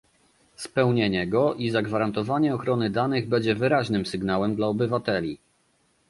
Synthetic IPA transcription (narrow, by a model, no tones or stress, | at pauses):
spɛwɲeɲɛɡɔʔizaɡvaɾant̪ɔvaɲɛɔxɾɔnɘd̪anɘɣbɛɲd͡ʑɛvɘɾaʑnɘmsɘɡnawɛmd̪laɔbɘvat̪ɛlʲi